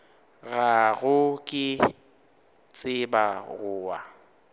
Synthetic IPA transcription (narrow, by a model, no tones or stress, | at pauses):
ɣaɣʊkʼɪ | t͡sʼɪbaɣʊːwa